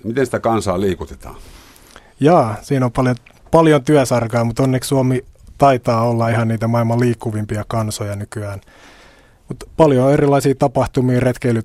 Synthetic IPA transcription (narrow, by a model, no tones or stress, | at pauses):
mit̪ensi̥t̪ækɑnsɑːliːkut̪et̪ɑ̰ːn | jɑːsiːnopɑljo | pɑljont̪yæsɑrkɑjɑmut̪onːeksuɑmit̪ɑit̪ɑːolːɑihɑnniːt̪æmɑilmɑliːkːuʋimpiɑkɑnsojɑnykyæːn | mut̪pɑljooerilɑisiːt̪ɑpɑht̪umiːret̪keily